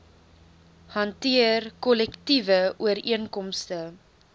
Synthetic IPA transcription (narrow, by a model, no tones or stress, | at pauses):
hɐntiərkɔlɛktivəʔuəɾiənkɔmstə